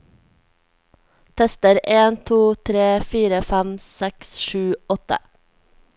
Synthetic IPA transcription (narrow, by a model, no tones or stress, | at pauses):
t̪ʰɛst̪əɾeːnt̪ʰuːt̪ʰɾeːfiːɾəfæmsɛksʃʉːɔt̪ə̰